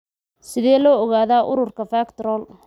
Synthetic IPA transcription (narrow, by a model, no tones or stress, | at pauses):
sɪðɛːlɔːɔɣaːðaːʔʊɾʊrkʰɐfaːkt̪ɾɔːl